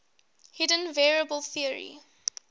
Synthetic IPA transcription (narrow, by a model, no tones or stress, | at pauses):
hɪdə̃nvɛɹiəbəlˠθiəɹḭ